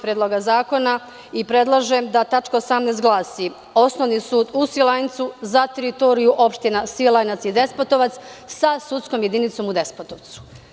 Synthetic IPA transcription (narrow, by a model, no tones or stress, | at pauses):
pɾjed̪lˠo̞ɡazaːko̞na | ipɾe̞d̪lˠaʒemd̪at̪at͡ʃkaosamnest̪ɡlˠaːsi | o̞sno̞ʋnisuːd̪usilajnt̪suzat̪eɾit̪o̞ːɾijuʔo̞pʃt̪inasilˠajnat̪sid̪e̞spot̪o̞ʋat̪ssasut̪sko̞mje̞d̪init̪so̞mud̪e̞spot̪o̞ʋt̪su̥